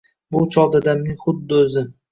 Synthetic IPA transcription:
bʊt͡ʃʰɒd̪ad̪amnɪŋχʊd̪ːɪozɪ

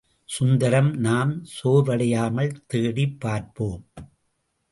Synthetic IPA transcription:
sʊnd̪ɐɾɐmnaːmsoːɾʋɐɽɐjaːmɐɭt̪eːɽipːaːɾpoːm

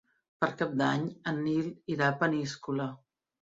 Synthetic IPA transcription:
pəɾkap̚d̪aɲənːiliɾapəniskulə

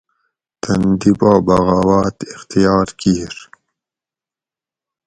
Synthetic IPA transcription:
t̪ɐnd̪ibaːbɐɣaːwaːt̪ixt̪ijɑːɾkiːɾ

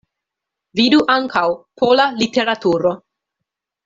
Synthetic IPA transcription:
viduʔaŋkʰawpʰolalite̞ɾat̪uɾo̞

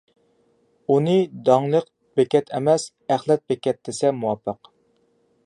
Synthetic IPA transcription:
unɨd̪ɑŋlˠəq | bɛkʲɛt̪ʰɛmɛs | æχlˠɛt̪̚bɛkʲɛt̪̚d̪ɪsɛmuwɑpʰːəq

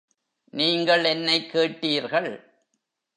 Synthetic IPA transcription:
niːŋɡɐɭɛnːɐɪkːeːʈːiːɾɣɐɭ

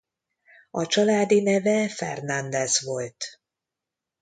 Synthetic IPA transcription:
ɒt͡ʃɒlaːd̪inɛvɛfɛ̰rnɒnd̪ɛzvo̞lt̪

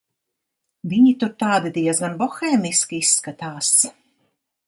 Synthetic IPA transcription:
viɲit̪uɾt̪aːd̪id̪ijɛsɡanbɔxɛːmiskʲiisːkat̪aːs

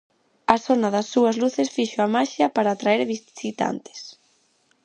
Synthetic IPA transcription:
ɐsonɐðɐsːuɐzluθesfiʃoamaʃjɐpaɾaːt̪ɾaɛɾβisit̪a̰nt̪e̥s

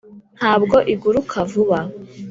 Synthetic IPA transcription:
n̥haːbɡo̞ʔiɡuɾukʰavuβa

